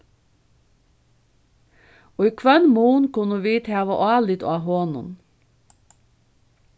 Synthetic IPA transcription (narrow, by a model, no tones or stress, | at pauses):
oːikʰʋœnmuːnkʊnəʋiːt̪ʰæːʋɑ̰ʔɑːlɪd̪o̰ɑːɦoːnʊ̰n